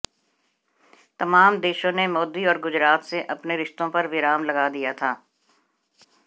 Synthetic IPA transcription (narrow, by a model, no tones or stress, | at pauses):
t̪ɐmaːmd̪eːʃõnemɔːd̪iɔːɾɡʊd͡ʒɾaːt̪seʔɐpneɾɪʃt̪õpɐɾʋɪɾaːmlɐɡaːd̪ijat̪ʰaː